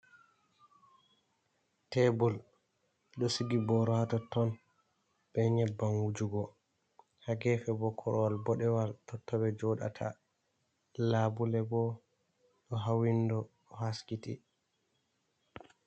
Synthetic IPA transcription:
tɛbul | ɗɔsiɡibɔɾɔatɔtɔn | bɛɲɛbːanwud͡ʒuɡɔ | haɡɛfɛbɔkʰɔɾɔwalbɔɗɛwaltɔtːɔbɛd͡ʒɔɗa̰tʰa̰ | labulɛbɔ | ɗɔɦawindɔ | haskiti

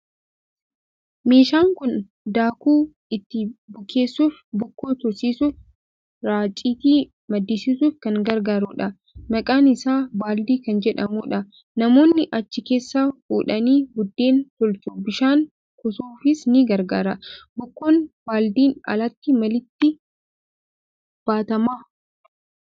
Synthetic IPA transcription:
me̞ːʃaːŋkʊn | d̪aːkuː | ɪt̪ːɪbʊke̞ːsːuːfbʊkːo̞ːt̪ɔsiːsuːf | ɾaːt͡ʃʼiːt̪iː | mɐd̪ːɪsɪsuːfkɐŋɡɐɾɡaːɾuːᶑɐ | mɐkʼaːnɪsaːbaːld̪iːkɐnd͡ʒɛᶑɐmuːᶑɐ | nɐmo̞ːnːɪʔɐt͡ʃːɪke̞ːsːaːfuːᶑɐniːɡʊd̪ːe̞ːnt̪ɔlt͡ʃʊbɪʃaːŋ | kɔsuːfɪsnɪɡɐɾɡa̰ːɾɐbʊkːoːnbaːld̪iːnɐ̰lɐt̪ːɪmɐlɪt̪ːɪ | b̥aːt̪ɐmaː

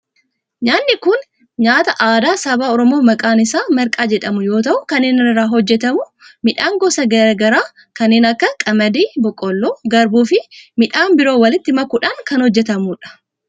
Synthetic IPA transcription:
ɲaːnːɪkʊn | ɲaːt̪ɐʔaːd̪aːsɐbaːɔɾɔmo̞ːmɐkʼaːnɪsaːmɐɾkʼaːd͡ʒɛᶑɐmʊjo̞ːt̪ɐʔʊkɐnːeːnɪnɪrːaːɦɔd͡ʒːɛt̪ɐmʊ | mɪᶑaːŋɡɔsɐɡɐɾɡɐɾaː | kɐnːeːnɐkːɐkʼɐmɐd̪iːbɔkʼɔlːo̞ːɡɐɾbuːfɪmɪᶑaːnbɪɾo̞ːwɐlɪt̪ːɪmɐkːuːᶑaːŋkɐnhɔd͡ʒːɛt̪ɐmuːᶑɐ̥

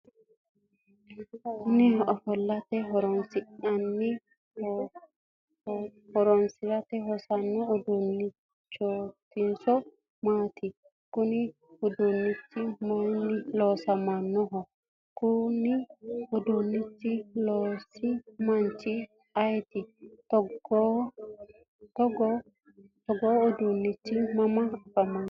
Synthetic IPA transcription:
kʊnɪɔfɔlːɐt̪ɛɦɔɾɔnsɪɐnːɪ | hɔɾɔnsɪɾɐt̪ɛɦɔsɐnːɛɔd̪ʊnːɪ | t͡ʃːɔt̪ːɪnsɔ | maːt̪ɪ | kʊnɪ | hʊd̪unːɪt͡ʃːɪmonilɔsamanːɔɦɔ | kuniɔdonːit͡ʃːilɔsimant͡ʃi | ajtitɔ | tɔɡɔ | tɔɡɔɔdonːit͡ʃːimamaafaman

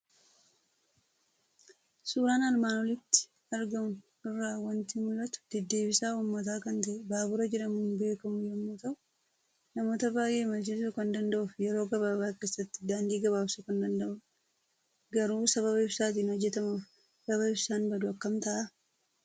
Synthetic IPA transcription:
suːɾaːnɐlmaːnɔlɪt̪ːɪ̥ | ɐɾɡɐmʊn | ɪrːaːwɐnt̪ɪmʊlːɐt̪ʊ̥d̪̥ɛd̪ːe̞ːbɪsaːuːmːɐt̪aːkɐnt̪ɐʔɛbaːbʊɾɐd͡ʒɛᶑɐmʊnbe̞ːkɐmʊjɛmːoːt̪ɐʔʊ̥ | nɐmo̞ːt̪ɐbaːjʔe̞ːmɐt͡ʃeːsʊkɐnd̪ɐnd̪ɐʔʊfjɛɾoːɡɐβaːbaːkeːsːɐt̪ːɪ̥d̪aːnd̪iːɡɐβaːbsʊkɐnd̪ɐnd̪ɐʔʊ | ɡɐɾuːsɐβɐβɐɪbsaːt̪̬iːnhɔd͡ʒːɛt̪ɐmɐ | sɐβɐɪbsaːnbɐd̪ʊɐkːɐmt̪ɐʔa

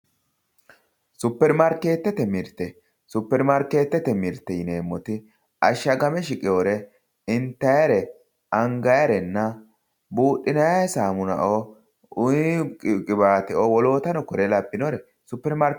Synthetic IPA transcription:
sʊpːɛɾmɐɾkːeːt̪ːɛt̪ɛmɪɾt̪ːɛ | sʊpːɛɾmɐɾke̞ːt̪ːɛt̪ɛmɪɾt̪ːɛjɪneːmːɔt̪ɪ | ʔɐʃːɐɡɐmɛʃɪkʼɪoɾɛ | ɪnt̪ːɐjɐɾɛ | ʔɐŋɡɐjɐɾɛnːɐ | buːɗːɪnɐjasaːmʊnɐ̰ʔo | ʊjkʼɪbaːt̪ɛʔɔwɔlo̞ːt̪ɐnɔkɔɾɛlɐbːɪnɔɾɛ | sʊpːɛɾmɐɾ

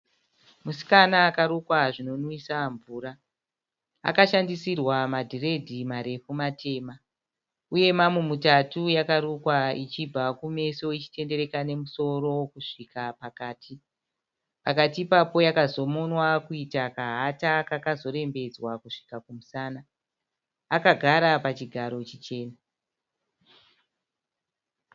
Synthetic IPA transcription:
musi̥kanaːkaɾukwaʐino̞nwisaɱvuːɾa | a̰kaʃandisirwamadʱire̞dʱimaɾe̞fumatʰe̞ːma | uje̞mamwemutatujakaɾukwait͡ʃibʱakume̞so̞it͡ʃi̥te̞nde̞ɾe̞kane̞muso̞ɾo̞wkuʂikapakaːti | pakatiːpapo̞jakazo̞mo̞nwakuitakaɦatakakazo̞ɾe̞mbe̞d͡zwakuʂi̥kakumusaːnaː | kaɡʱaɾapat͡ʃiɡʱaɾo̞t͡ʃit͡ʃe̞ːna

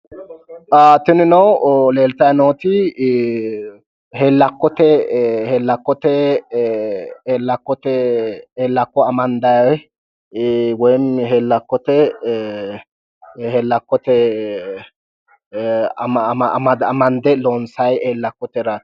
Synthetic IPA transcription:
ʔaːt̪ːɪnɪnɐwleːlt̪ɐjɐnoːt̪ɪ | heːlːɐkːɔt̪ɛheːlːɐkːɔt̪ɛ | lːɐkːɔt̪ɛeːlːɐkːɔɐmɐnd̪ɐj | wɔjnɦeːlːɐkːɔt̪ɛ | hɛlːɐkːɔt̪ɛ | mɐd̪ɐmɐnd̪ɛloːnsɐjeːlːɐkːɔt̪ɛɾa

